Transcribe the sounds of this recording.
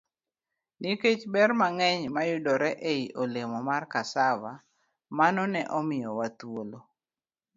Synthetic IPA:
niket͡ʃbɛrmaŋɛɲmajʊdɔɾɛʔeiʔolemɔmarkasawa | manɔnɛʔɔmɪjɔwat̪wolo

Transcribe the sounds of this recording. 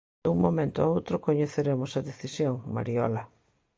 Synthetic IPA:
uŋmomẽnt̪oaowt̪ɾʊkoɲeθeɾemʊsɐðeθisjoŋma̰ɾiɔ̰lɐ

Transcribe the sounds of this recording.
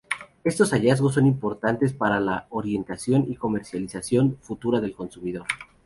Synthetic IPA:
e̞st̪o̞saʝazɣo̞s̬ːo̞nimpo̞ɾt̪ant̪e̞spaɾalaoɾje̞nt̪asjo̞niko̞me̞ɾsjalisasjo̞nfut̪uɾaðelko̞nsumiðo̞ɾ

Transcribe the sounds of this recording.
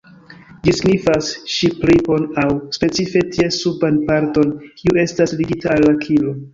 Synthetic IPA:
d͡ʒisiɡnifasʃiplipo̞nawspe̞t͡sife̞tiesubanpaɾto̞nkʰiue̞stasliɡitalːakʰilo

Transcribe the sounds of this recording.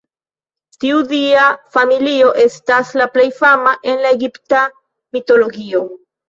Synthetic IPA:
tiudiafamilio̞ʔe̞staslaple̞jfamaʔe̞nlae̞ɡipta | mito̞lo̞ɡio̞

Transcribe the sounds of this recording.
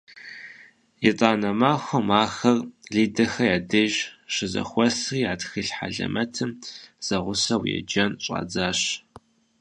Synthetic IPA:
jɛtʼaːnɐmaːxʷɔmaːxɐrɮiːdɐxɐjaːdɨʒʃɨzɐ̰xʷɔsriːaːtxɨɬħa̰ɮɐ̰mʔɐtʰɨmz̥ɐʁʷʊsɐwjɛ̰d͡ʒɐnɕʼa̰ːd͡zaːɕ

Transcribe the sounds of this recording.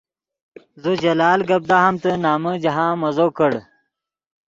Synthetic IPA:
zud͡ʑɐlaːlɡɐb̚d̪aːɦɐmt̪ənaːməd͡ʑɐɦãːmɐzoːkəɽ

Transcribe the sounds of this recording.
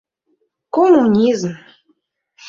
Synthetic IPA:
komunʲizm

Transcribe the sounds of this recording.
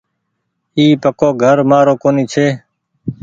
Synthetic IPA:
iːpəkoːɡʱəɾmaːɾoːkoːniːt͡ʃʰeː

